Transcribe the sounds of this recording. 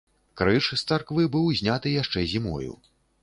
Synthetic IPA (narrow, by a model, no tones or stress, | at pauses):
kɾɨt͡ʂst̪sarkvɨbɨwzʲnʲat̪ɨjaʂt͡ʂɛzʲimɔ̰jṵ